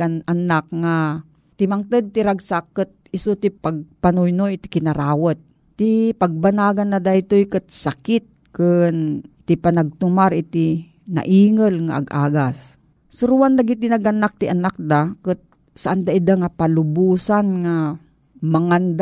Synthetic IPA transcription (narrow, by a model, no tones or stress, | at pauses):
ananak̚ŋa | t̪ɪmaŋt̪əd̪̚t̪ɪɾaɡsakːɨt̪̚ɪsut̪ipaɡ̚panojnojt̪ɪ̥kɪnɐɾaːwat̪̚ːipaɡ̚banaːɡanːad̪ajt̪ojkɨt̪̚sakɪt̪̚kɨnt̪ipanaɡ̚t̪ʊmaɾɪt̪i | na̰ʔiːŋəlŋa̰ʔɐ̰ɡʔaːɡas | sʊɾuwand̪aɡit̪inaɡanak̚t̪ɪʔanak̚d̪akɨt̪̚ | saʔand̪aʔɪd̪aŋapalʊbuːsanŋa | maŋand̪